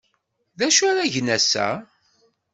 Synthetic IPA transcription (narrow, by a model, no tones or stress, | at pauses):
ðæʃaɾæʝnæsæ̰